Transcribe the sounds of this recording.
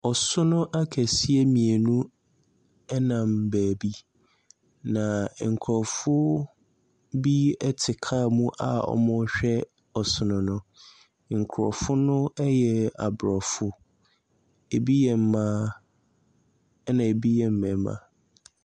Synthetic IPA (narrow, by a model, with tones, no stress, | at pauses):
ɔ˨sʊ˦nʊ̃˦ʔa˦kʰæ˨si˦e˦mĩ˨e˨nũ˦ | ɛ˦nã˨mbæː˨bi˦ | nã˨ŋ̩˨kʰɾɔ˨fʊ˦ | bi˦ɛ˦tʰɪ˨kʰa˦˨mũ˦ʔa̰˨ɔ̰˦mʊ̃˦ɕᶣɛ˦ | ɔ˨sʊ˨nʊ̃˨nʊ̃˦ | ŋ̩˨kʰʊ˨ɾɔ̰˨fʊ˦nʊ̃˦ɛ˦jɛ˨a̰˨bɾɔ˨fʊ˦ | e˨bi˦jɛ˨m̩˦mã˦ | nã˨e˨bi˦jɛ˨m̩˦˨mɛ̃˨˦mã̰˨